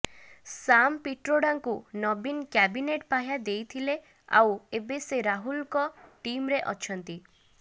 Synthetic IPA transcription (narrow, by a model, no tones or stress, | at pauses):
sampiʈɾoɽaŋkunɔbinkjɛbineʈpaɦjad̪ejt̪ʰile | a̰webeseɾaɦulkɔʈimɾeʔɔt͡ʃʰɔnt̪i